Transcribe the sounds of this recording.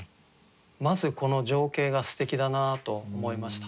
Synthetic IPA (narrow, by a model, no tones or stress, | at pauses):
mazɨko̞no̞ʑo̞ːke̞ːɡasɨ̥t̪e̞kʲid̪anat̪o̞ːmo̞imaɕi̥t̪ḁ